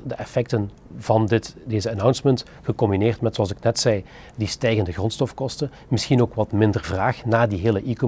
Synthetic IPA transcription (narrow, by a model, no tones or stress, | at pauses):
dəʔɛfɛk̚tən | vɑndɪtdeːzəanawnsmɛnt | xəkɔmbineːrtmɛtsoɑlˠzɪknɛtsɛj | distɛjɣəndəɣrɔntstɔfkɔstən | mɪsxinoːkʋɑtmɪndərvraːxnaːdiɦɪːləʔiko